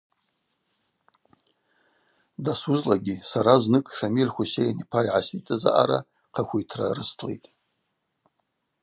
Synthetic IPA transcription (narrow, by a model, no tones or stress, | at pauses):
dasuzlaɡʲisaɾaznɨkʼʂamirχʷusejanipʰajʕasitʼaza̰ʔaɾa̰ | qʰakʷujtʰra̰rɨstʰlejtʼ